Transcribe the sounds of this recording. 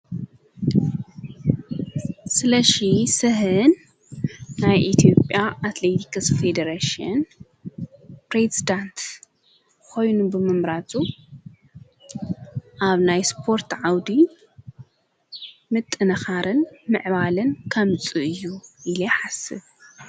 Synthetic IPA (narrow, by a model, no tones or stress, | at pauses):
sɨlɐʃisɨhɨnː | ajʔit̪ʰijo̞pʼjaʔat̪let̪ʰi̥kɨsfed̪ɐɾaʃiɐ̰n | pɾezid̪ant̪ | kʰo̞jnubɨmɨmɾat̪ʰʼu | ʔaβnajspʰo̞ɾt̪ʕawd̪i | mɨt̪ʼːɨnɐxaɾɨnmɨʕβalɨnkʰɐmɨt͡sʼɨʔɨjːuʔileħasɨβ